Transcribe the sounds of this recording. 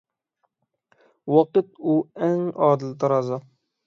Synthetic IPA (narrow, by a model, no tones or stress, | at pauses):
wɑqɨt̪̚uɛŋɑːd̪ɨlˠt̪ʰɑɾɑzɑ